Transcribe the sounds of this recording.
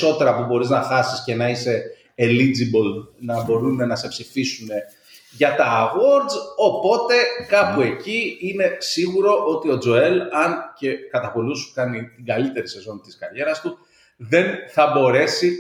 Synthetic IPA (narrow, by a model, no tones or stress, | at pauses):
o̞t̪e̞ɾɐpubo̞ɾiznɐxɐsisce̞nɐise̞ː | lid͡zibolnɐbo̞ɾune̞nɐse̞psifisune̞ | ʝɐt̪ɐɣo̞ɾdzo̞po̞t̪e̞kɐpue̞ciine̞siɣuɾo̞ʔo̞t̪io̞d͡zo̞e̞lɐnce̞kɐt̪ɐpo̞lusu̥kɐnit̪iŋɡɐlit̪e̞ɾise̞zo̞nt̪iskɐɾʝe̞ɾɐst̪u | ðe̞nθɐbo̞ɾe̞si